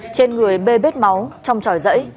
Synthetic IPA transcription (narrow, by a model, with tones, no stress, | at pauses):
t͡ɕe˧nŋɨ˨˩əjɓe˧ɓe˦˥t̚ma˨˦wt͡ɕɔ˧wŋ͡mt͡ɕɔ˧˩jzə̰˧˥j